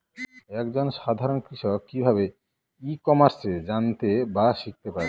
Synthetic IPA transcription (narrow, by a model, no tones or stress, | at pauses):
ɛkd͡ʑonʃad̪ʱaɾonkɾiʃɔk̚kibʱaβe | ikɔmaɾsed͡ʑant̪ebaʃik̚t̪epaɾ